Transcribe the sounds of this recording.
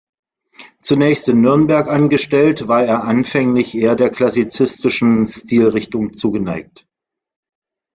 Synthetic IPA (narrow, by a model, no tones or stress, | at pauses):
t͡sunɛːçstɪnːʏɐnbɛɐkʔanɡəʃtɛltv̥aːɐeːɐʔanfɛŋlɪçʔeːɐdeːɐkʰl̥asit͡sɪstɪʃn̩stiːlʁɪçtʊŋt͡suːɡənaɪk̚t